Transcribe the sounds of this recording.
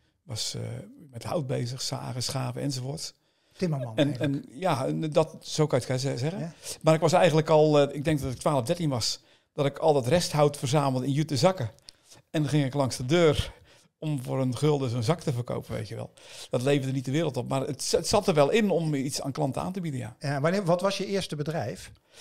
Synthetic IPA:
ʋɑsə̰mɛtha̰wt̚bejzəxsa̰ːɣəsχaːvəɛ̰nzofoːts | ɛnɛnjadɔtsowkantkajəɛɣəmaɾɪkʋɑsɛjɣənləkɔlˠɪɡ̚dɛŋkdɔtɪk̚tʰʋaːlˠəvdɛrtinʋɑs | d̥ɔtɪkʰɔlˠdɑtrɛsthawtfərzaːməl̩ˠdəɪnjyt̚əzɑkə | ɛnnχɪŋɪklˠɑŋsdədøːr | ɔmfoːɾənχølˠdəsonzɑktəvərko̰wpənʋḛjtjəʋɛ̰lˠd̥ɔtlejvdədənit̚dəʋɪːɾəlˠtɔp̚marətətsɑtərʋɛlˠʔɪnɔmitsa̰ːnklˠɑntəa̰ːntəbidənja̰ʋnʋɔtʋɑsjəɪəɹstəbədrɛjf

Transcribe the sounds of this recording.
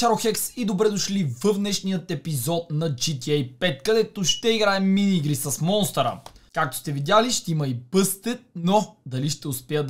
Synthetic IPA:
ʃaɾoxɛksid̪obɾɛd̪oʃlivəvnɛʃnijət̪ɛpizɔt̪nɐd͡ʒit̪iɛjpɛt̪kɐd̪ɛt̪oʃt̪ɛiɡɾaɛmmːiniiɡɾisɐsmɔnst̪ɐɾə̰kak̚t̪o̥st̪ɛvid̪ʲjaliʃt̪ɛimɐipɤst̪ɛt̪̚nod̪ɐliʃt̪ɛʊspɛəd̪

